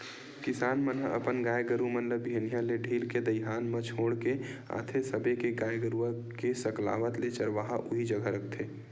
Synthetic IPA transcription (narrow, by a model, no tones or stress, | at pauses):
kɪsaːnmənɦəʔə̰pənɡaːjɡəɾumənləbːʱeːnijãleɖʱiːlked̪əɪɦaːnmət͡ʃʰoːɽkea̰ːt̪ʰesəbekeɡaːjɡəɾua | kesɐkla̰ːʋət̪let͡ʃəɾʋaɦaʔʊɦid͡ʒəɡʱəɾək̚t̪ʰeː